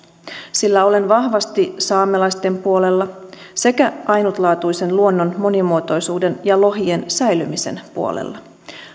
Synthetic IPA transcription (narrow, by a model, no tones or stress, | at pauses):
silːæo̞le̞nʋɑhʋɑst̪isɑːmelɑjst̪e̞mpuo̞le̞lːɑ | se̞kæʔɑjnut̪lɑːt̪ujse̞nluo̞nːonmo̞nimuot̪o̞jsuːde̞njɑlo̞ɦiensæjlymise̞̰npuo̰lḛlːɑ